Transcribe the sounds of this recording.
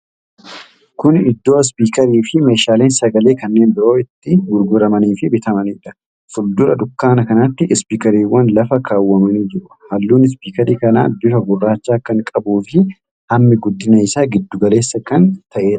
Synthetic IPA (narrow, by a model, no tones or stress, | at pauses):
kʊnɪd̪ːo̞ːɪs̬piːkɐɾiːfɪme̞ːʃaːle̞ːnsɐɡɐle̞ːkɐnːeːnbɪɾo̞ːɪt̪ːɪɡʊɾɡʊɾɐmɐniːfɪbɪt̪ɐmɐniːᶑɐ̥ | fʊld̪ʊɾɐd̪ʊkːaːnɐkɐnɐt̪ːɪʔɪspiːkɐɾiːwːɐnlɐfɐkʰaːwːɐmɐniːd͡ʒɪɾʊhɐlːuːnɪs̬piːkɐɾiːkɐna̰ːb̪ɪfɐɡʊrːaːt͡ʃːaːkɐŋkʼɐbuːfɪ | hɐmːɪɡʊd̪ːɪnɐɪsaːɡɪd̪ːʊɡɐle̞ːsːɐkɐnt̪ʰɐʔe̞ːᶑɐ